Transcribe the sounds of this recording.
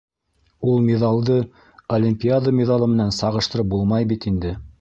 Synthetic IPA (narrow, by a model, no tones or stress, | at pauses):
ulˠmʲeðɑlˠd̪ɤ | olʲimpʲiad̪əmʲɪðalˠɤmɘ̆nænsɑʁɤ̆ʃt̪ɤ̆ɾɤp̚bulˠmɑjbit̪ind̪ɘ